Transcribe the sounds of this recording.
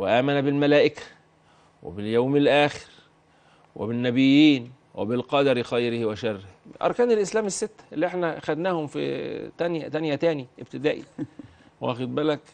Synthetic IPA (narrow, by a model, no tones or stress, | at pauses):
weʔæːmænæbɪlmælæːʔɪkæ̥ | wḛbɪljawmɪlʔæːxɪ̥ɾ | wḛbɪnːæbɪjːiːn | wḛbɪlqɑd̪ɑɾxɑjɾɪhwæʃɑrːɪhʔɑ̰ɾˤkæːnelʔɪslæːmɪsːɪt̪ːæ̥ʔlːiʔeħnæxæd̪næːhʊmfḭt̪ænjæ̰t̪ænjæt̪æːniʔɪbt̪ɪd̪æːʔḭ | wæ̰xed̪̚bælæk